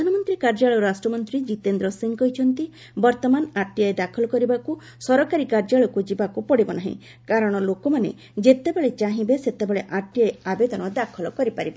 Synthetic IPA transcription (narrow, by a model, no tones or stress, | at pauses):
anɔmɔnt̪ɾikaɾd͡ʒaɭɔɾasʈɾɔmɔnt̪ɾid͡ʒit̪end̪ɾɔsiŋkɔjt͡ʃʰɔnt̪i | bɔɾt̪ɔmanaʈijaed̪akʰɔlɔkɔɾibaku | sɔɾɔkaɾikaɾd͡ʒaɭɔkud͡ʒibakupɔɽibɔnaɦḭ̃ | kaɾɔɽ̃ɔlokɔmanḛ | d͡ʒet̪ebeɭet͡ʃaɦĩbeset̪ebeɭeʔaʈijaeabed̪ɔnɔd̪akʰɔlɔkɔɾipaɾibe